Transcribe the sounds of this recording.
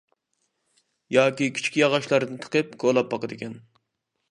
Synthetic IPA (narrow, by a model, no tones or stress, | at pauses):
jɑːkʲikʲʰi̥t͡ʃkʲijɑʁɑʃlˠɑɾd̪ɨnt̪ʰqəp̚kʰolˠɑp̚bɑqəd̪ɪkʲʰɛn